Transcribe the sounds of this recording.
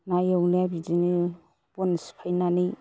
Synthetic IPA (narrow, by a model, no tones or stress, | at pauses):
najawnabid͡ʒini | ponsi̥pʰajnani